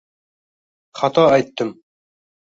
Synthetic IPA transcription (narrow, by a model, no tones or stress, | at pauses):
χɑt̪ɑæjt̪ːɤm